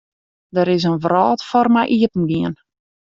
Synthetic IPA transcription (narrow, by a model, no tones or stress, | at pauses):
dəɾɪs̬ənvrɔːtfɔrmɛjʔiətən̩ɡiən